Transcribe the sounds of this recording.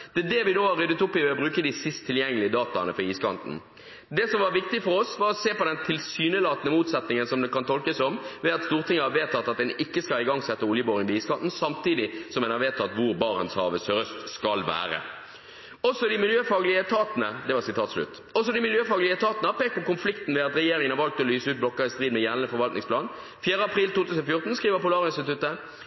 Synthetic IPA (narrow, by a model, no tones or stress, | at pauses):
d̪̥ɛd̪ɛʋɪnoːhɑɾʁːʏd̪ət̪ʊpːɪʋɛɔbʁʉːkəd̪ɪsɪst̪ʰːɪljɛŋːəlɪəd̪ɑːt̪ɑnəfɔʁiːskʰɑ̰nt̪n̩ | d̪ɛsɔmʋɑʋɪkt̪ɪfɔɾɔsʋɑʁɔseːpɔd̪ɛnt̪ʰɪlsyːnəlɑːt̪ənəmuːt̪sɛt̪nɪŋənsɔmd̪ɛkɑnt̪ʰɔlkəsɔmʋɛːɑt̪st̪uːʁt̪ʰɪŋːəhɑʋeːt̪ʰːɑt̪ːɑt̪̚d̪ɛnɪkːəskɑlɪɡɑŋsɛt̪ːəʊljəboːɾɪŋpɔiːskʰɑnt̪n̩sɑmt̪iːd̪ɪsɔmɛnɑʋeːt̪ʰɑt̪ːʋʊʁbɑːʁə̰nshɑ̰ːʋəsʁœst̪skɑlʋæ̰ːʁə̰ | ɔsɔd̪ɪmɪljøːfɑːɡlɪət̪ʰɑːt̪ənəd̪ɛʋɑʁsɪt̪ʰɑːt̪slʉ̰t̪ː | ɔs̬ɔd̪ɪmɪljøːfɑːɡlɪət̪ʰɑːt̪ənəhɑpeːk̪̚pɔkʊnflɪkt̪n̩ʋɛːɑt̪ʁɛjeːɾɪŋənhɑʁʋɑlk̚t̪ɔlyːsəʉːt̪blɔkːəɪst̪ɾʁiːd̪mɛjælnəfɔʁʋɑlt̪ɪ̰ŋsplɑːn | fjæːʁəɑpʰʁiːlt̪uːt̪ʰʉːsnɔfjʊʁt̪n̩skʁiːʋəpʊlɑːʁɪnst̪ɪt̪ʉt̪ːə